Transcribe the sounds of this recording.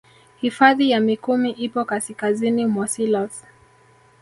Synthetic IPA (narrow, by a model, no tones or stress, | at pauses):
hifaðijamikumiʔipɔkasikazinimwasilas